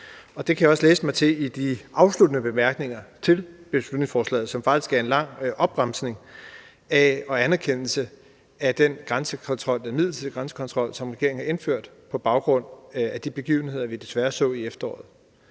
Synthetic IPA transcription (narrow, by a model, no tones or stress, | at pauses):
ɒ̽d̥e̝kʰæjäɒ̽slḛːsəmɑ̈ɪt͡sʰe̝id̥iʔɑ̈ʊslud̥nəb̥e̝mæɐɡ̥ne̝ŋɐt͡sʰe̝lb̥e̝slud̥ne̝ŋsfɒːslɛ̰ːð̩ˠsɒ̽mfɑ̈ɡ̥d̥isɡ̥æɐe̝nlɑ̈ŋ̰ʔɒ̽b̥ʁam̰sne̝ŋ | æɒ̽ænæɐkʰen̰l̩sə | æd̥enɡ̥ʁansəkʰɒ̽nt͡sʰʁɒ̽l̰d̥enmið̰ˠl̩t͡sʰiðˠɡ̥ʁansə̥kʰɒ̽nt͡sʰʁɒ̽l̰sɒ̽mʁɛɡ̥e̝ɐ̰ŋhɑ̈ʔe̝nføɐ̰d̥ | pʰɒ̽b̥ɑ̈ʊɡ̥ʁɔ̽n̰æd̥ib̥e̝ɡ̥ḭːʊn̩he̝ð̞̰ˠɐʋid̥e̝sʋæːɐsɔ̰̽ːiefd̥ɐɒ̰ːð̩ˠ